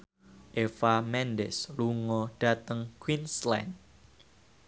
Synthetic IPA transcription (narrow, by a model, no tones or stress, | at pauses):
ʔefamɛndɛsluŋɔɖ̥a̤t̪əŋkwinslɛ̰n